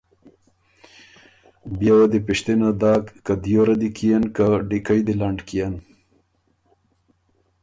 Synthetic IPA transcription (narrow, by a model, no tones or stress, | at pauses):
bjawad̪ipiʂt̪inad̪aːkːad̪joɾad̪ikʰijankaɖikajd̪ilaɳɖkijan